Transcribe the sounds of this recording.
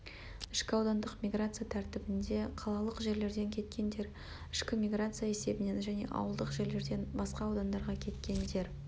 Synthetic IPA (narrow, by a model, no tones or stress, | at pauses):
ɪʃkʲɪɑwd̪ɑnd̪əqmʲiɡrat̪sɨjat̪ʰæɾt̪ɪbɪnd̪e̞qʰɑlˠɑlˠəqʒe̞ɾle̞ɾd̪e̞ŋkʲʰe̞t̪kʲe̞nd̪e̞ɾ | ɪʃkʲɪmʲiɡrat̪sɨjae̞se̞bɪne̞nʒæne̞̰ʔɑ̰wəlˠd̪əqʒe̞ɾle̞ɾd̪e̞nbɑsqɑːwd̪ɑnd̪ɑɾʁɑkʲʰe̞t̪kʲe̞nd̪e̞ɾ